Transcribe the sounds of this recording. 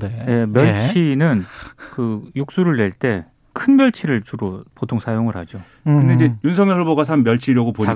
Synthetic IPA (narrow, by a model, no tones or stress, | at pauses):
neje̞mjʌɭt͡ɕʰinɯnkɯjuk̚s͈uɾɯɭːwe̞ɭt͈e̞ | kʰɯnmjʌɭt͡ɕʰiɾɯɭt͡ɕuɾopotʰoŋsʰajoŋɯɾhad͡ʑo | kɯnd̪eid͡ʑejunsʰʌŋjʌɭboɡasʰanmjʌɭt͡ɕʰiɾjʌɡopoɲ